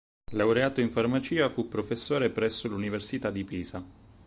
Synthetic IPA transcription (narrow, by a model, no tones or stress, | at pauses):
lawɾeaːt̪oiɱfarmat͡ʃiːafupːɾofesːoːɾepɾɛsːoluniversit̪ad̪ipiːza